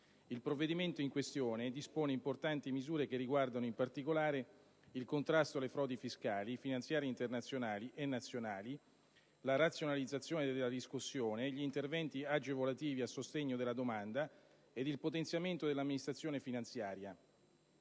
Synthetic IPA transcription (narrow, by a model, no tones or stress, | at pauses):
ilpɾovːed̪iment̪oiŋkwest̪joːned̪ispoːneimport̪ant̪imizuːɾekerːiɡward̪anoimpart̪ikolaːɾe | ilkont̪ɾast̪oalefɾɔːd̪ifiskaːlifinant̪sjaːɾjeint̪ernat̪sːjonaːliʔenːat̪sːjonaːli | laɾat̪sːjonalid̪zat̪sːjoːned̪eelːad̪iskusːjoːneʎint̪ervɛnt̪iad͡ʒevolat̪iːviasːost̪eɲːod̪elːad̪omand̪a | ed̪ilpot̪ent̪sjament̪od̪elamːinist̪ɾat̪sːjoːnefinant̪sjaːɾja